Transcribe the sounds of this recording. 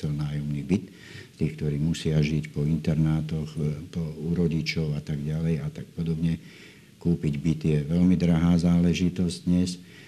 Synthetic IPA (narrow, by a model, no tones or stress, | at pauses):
ɛlnaːjɔmniːbit̪ | st̪iːxk̚t̪ɔɾiːmusɪaʒicpɔint̪ɛɾnaːt̪ɔxpɔuɾɔɟit͡ʃɔʊat̪aɡɟalɛjat̪ak̚pɔd̪ɔbɲɛ | kuːpiɟbit̪jɛʋɛlmid̪ɾaɦaːzaːlɛʒit̪ɔzɟd̪ɲɛs